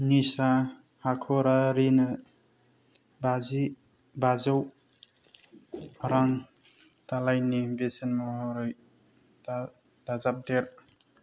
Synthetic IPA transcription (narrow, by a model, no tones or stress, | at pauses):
nisa | hakʰɔɾaɾinɯ | bazi | bazaw | aɾaŋ | talajnibesenmɔɦɔɾɔj | d̥azap̚deɾ